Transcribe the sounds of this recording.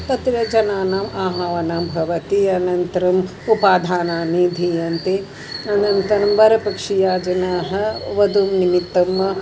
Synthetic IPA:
t̪ɐt̪ɾɐd͡ʒɐnaːnaːmaːɦaʋɐnaːmbʱɐʋɐt̪iɐnɐnt̪ɐɾɐm | upaːd̪ʱaːnaːnid̪ʱiɐnt̪e | ɐnɐnt̪ɐɾɐmʋɐɾɐpɐkʂijaːd͡ʒɐnaːɦɐ̆ʋɐd̪umnimit̪ːɐm

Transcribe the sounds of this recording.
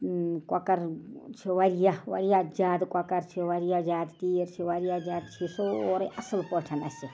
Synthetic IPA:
kwakɐɾt͡ʃʰiʋaɾijaʋɐ̰ɾijad͡ʒaːd̪kwakɐɾt͡ʃʰiwaɾijad͡ʒaːd̪t̪iːɾt͡ʃʰiwaɾijad͡ʒaːd̪̚t͡ʃʰisooːɾeʔɐsəlpoʈʰɐnɐsʲi

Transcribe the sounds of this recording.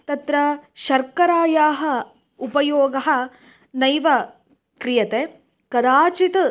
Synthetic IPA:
t̪ɐt̪ɾɐʃɐɾkɐɾaːjaːɦɐ | upɐjoːɡɐɦɐ̆ | nɐjʋɐ | kɾijɐt̪e | kɐd̪aːt͡ʃit̪

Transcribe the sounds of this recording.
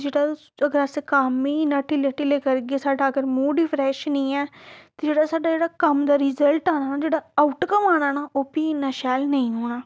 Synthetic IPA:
d͡ʒeːɽaː | əɡəɾasekaːmiːnãːʈɪleʈɪleːkəɾɡeːsaːɖaːəɡəɾmũːɖipʰɾɛːʃnĩːɛːt̪eːd͡ʒeːɽaːsaːɖaːd͡ʒeːɽaːkəmd̪aːɾɪzəlʈaːnaːad͡ʒeːɽaːaʊʈkəmaːnaːnaːʔoːpiɪnãːʃɛːlnəĩːoːnaː

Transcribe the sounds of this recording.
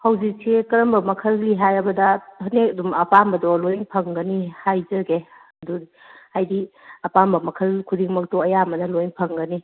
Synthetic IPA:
hɐwzik̚sʰekɐɾɐmbɐmɐkʰɐlliɦajɐbɐdɐhɐnek̚ɐdumɐpambɐdɔlojŋpʰɐŋɡənihajzɐɡe | ɐdudi | hajdi | ɐpambɐmɐkʰɐlkʰudiŋmɐk̚tɔɐjamɐnɐlojŋpʰɐŋɡəni

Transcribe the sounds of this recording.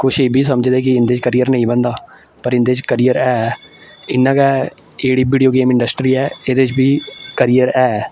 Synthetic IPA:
kʊʃeːbʱiːsəməd͡ʒd̪eːkɪɪ̃nd̪eːt͡ʃkəɾijəɾnəĩːbənd̪aː | pəɾɪnd̪eːt͡ʃkəɾiːəɾɛː | ɪnːãːkɛː | eːɽiːbiːɖijoːɡeːmɪ̃ɳɖəsʈɾiːɛːeːd̪eːɪt͡ʃbʱiːkəɾijəɾɛː

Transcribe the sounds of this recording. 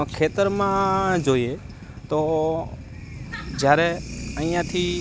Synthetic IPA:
kʰeːt̪əɾmãːd͡ʒoːieː | t̪oː | d͡ʒjaːɾeːəĩːãːt̪ʰiː

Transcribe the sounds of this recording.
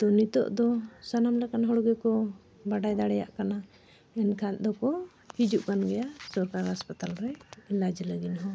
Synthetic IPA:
t̪ɔnit̪ɔ̰ʔd̪ɔsanamlaɛkanɦɔɽɔɡɛkɔ | baɖajd̪aɽɛja̰ʔkana | ɛnkʰand̪ɔkɔ | hid͡ʒuʔkanɡɛjasɔɾkaɾhaspat̪alɾɛɛlad͡ʒləɡinɦɔ

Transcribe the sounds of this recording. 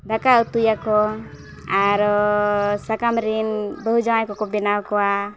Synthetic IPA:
d̪akaut̪ujakɔ | aɾɔsakamɾinbəɦud͡ʒamajkɔkɔbɛnawkɔwa

